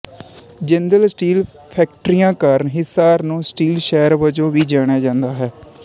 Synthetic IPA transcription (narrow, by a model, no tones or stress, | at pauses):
d͡ʒə̃nd̪əlsʈiːl | pʰɛːk̚ʈɾijãːkəɾnɦɪsaːɾnũːsʈiːlʃɛːəɾʋəd͡ʒõːʋiːd͡ʒaːɽ̃aːd͡ʒãːnd̪aːɦɛː